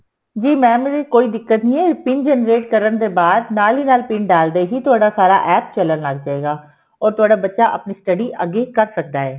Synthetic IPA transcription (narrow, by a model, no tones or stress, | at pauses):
d͡ʒiːmɛ̃ːmeɾekoːiːd̪ɪkːət̪nĩːɛːpɪnd͡ʒɛːnɾeːʈkəɾənd̪eːbaːd̪naːliːnaːlpɪɳɖaːld̪eːɦiːt̪ʊaːɖaːsaːɾa̰ːʔɛːp̚t͡ʃələnləɡ̚d͡ʒaːeːɡaː | ɔːɾt̪ʊaːɖaːbətːʃaːʔəpniːsʈəɖiːʔəɡːeːkəɾsək̚d̪aːɦɛː